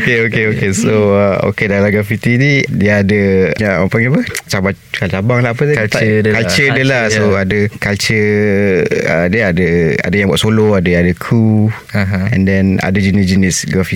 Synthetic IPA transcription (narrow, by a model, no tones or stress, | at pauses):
keokeokesoəo̰kedalaɡɾafit̪inidiaːdəɲaʔapaŋepət͡ʃabat͡ʃu̥kalt͡ʃabaŋlaɦapət̪kalt͡ʃədəlasoadəkalt͡ʃə | ə̰dəadəa̰dəjaŋba̰ʔsoloadəadəkʰu | ɦɛ̰̃ndɛna̰dəd͡ʒinisd͡ʒinisɡɾafi